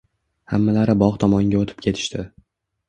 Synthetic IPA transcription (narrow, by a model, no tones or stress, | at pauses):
hamːalaɾɪbɒʁt̪ʰɒmɒŋɡʲaot̪ʰɪp̚kʲʰe̞t̪ʰɪ̥ʃt̪ʰɪ